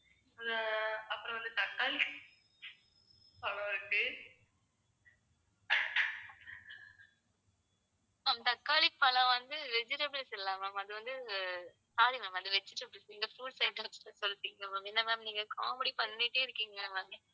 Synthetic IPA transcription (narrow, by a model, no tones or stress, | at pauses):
ɐpːɯɾɐ̃ʋɐnd̪ɯt̪ɐkːaːli | pɐlɐ̃ɪɾɯkːɯ | aːmt̪ɐkːaːlipɐlɐ̃ʋɐnd̪ɯʋɛd͡ʒɪɾɐbɭsɛlːaːmaːmɐðɯʋɐnd̪ɯ | saːlimaːmɐðɯʋɛt͡ʃːɪʈːɐbɭsɪŋɡɐfuːɖsɐɪʈːɯʋɐt͡ʃːɯ̥ʈːɯsɔlːɯt̪ːiːŋɡɐmaːmɛnːɐmamniːŋɡɐkaːmɐɽipɐnːɪʈːeːɪɾɯkːiːŋɡɐmaːmɐ